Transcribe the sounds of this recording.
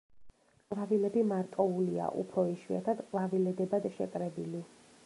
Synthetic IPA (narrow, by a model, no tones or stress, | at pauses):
qʼvavilɛbimaɾt̪ʼɔulia̰ʔṵpʰɾɔiʃwḭat̪ʰad̪qʼvavilɛd̪ɛbad̪ʃɛkʼɾɛbili